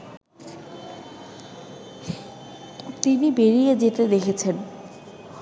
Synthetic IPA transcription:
t̪inibeɾijed͡ʑet̪ed̪ekʰet͡ɕʰen

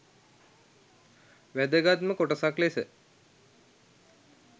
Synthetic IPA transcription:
ʋæd̪əɡat̪məkoʈəsaklesə

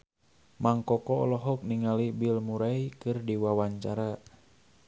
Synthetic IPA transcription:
maŋkɔkɔɔlɔɦɔk̚niŋalibilmuɾaikɨrdiwawaɲt͡ʃaɾa

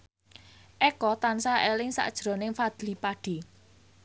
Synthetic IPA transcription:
ʔɛkɔt̪ansaʔelɪŋsa̰ʔd̥ʒ̥ɾɔ̤nɪŋfad̪̥lipaɖ̥e̤

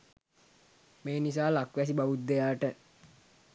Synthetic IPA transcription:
meːnis̬aːlakʋæs̬ibaʋut̪ːejaːʈə

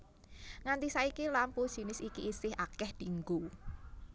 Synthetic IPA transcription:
ŋant̪isaikilampu̥ʒ̥i̤nɪsikiːsɪhakɛhd̪̥i̤ŋɡu

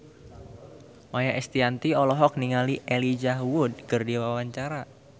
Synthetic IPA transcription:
majaʔɛst̪iant̪iɔlɔɦɔk̚niŋaliʔɛlid͡ʒaɦwʊd̚kərdiwawaɲt͡ʃaɾa

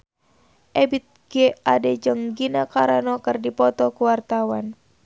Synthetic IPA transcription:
ʔɛbit̪̚ɡ̥ɛadɛd͡ʒɨŋɡinakaɾanɔkɨrdipɔt̪ɔkuwart̪awan

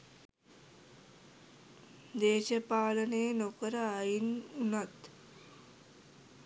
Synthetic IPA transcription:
d̪eːʃəpaːlənenokəɾəajinunat̪

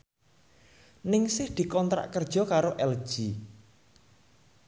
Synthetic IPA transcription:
nɪŋsɪhd̪̥i̤kɔnt̪ɾa̰ʔkərd̥ʒ̥ɔ̤kaɾoʔɛld̥ʒ̥i

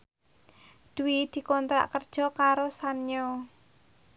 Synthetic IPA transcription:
d̪̥uwid̪̥i̤kɔnt̪ɾa̰ʔkərd̥ʒ̥ɔ̤kaɾosanɲɔ

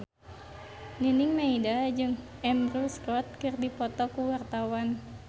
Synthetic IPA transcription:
niniŋmaidad͡ʒɨŋɛmɾuskɔt̪̚kɨrdipɔt̪ɔkuwart̪awan

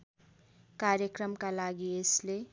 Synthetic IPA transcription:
kaɾjʌkrʌmkalaɡiesle

